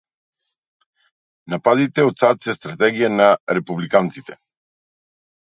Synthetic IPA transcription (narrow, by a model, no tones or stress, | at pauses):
napad̪it̪ɛot̪sat̪sɛst̪ɾat̪ɛɡijanaɾɛpublikant̪sit̪ɛ̥